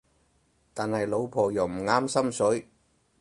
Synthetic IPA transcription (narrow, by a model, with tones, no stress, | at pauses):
t̪aː˨nhɐ˨jlo˨˧wpʰɔː˨jɐ˨˩wm̩˨˩ŋaː˥msɐ˥msɵ˨˥ɥ